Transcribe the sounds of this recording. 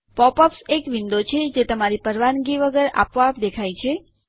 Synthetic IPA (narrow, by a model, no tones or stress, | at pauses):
pɔpɔpsekʋind̪ot͡ʃʰed͡ʒet̪əmaɾipəɾʋanɡiʋəɡəɾa̰pʋapd̪ekʰajt͡ʃʰe